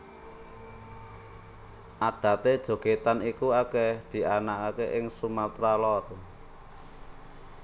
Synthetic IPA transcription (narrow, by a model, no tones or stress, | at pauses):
ʔad̥ä̤t̪ed̥ʒ̥o̤ɡ̥et̪anikuaked̪̥i̤ʔanakakeʔɪŋsumat̪ɾalɔr